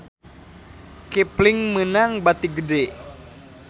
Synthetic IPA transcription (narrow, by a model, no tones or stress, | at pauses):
kepliŋmənaŋbat̪iɡədɛ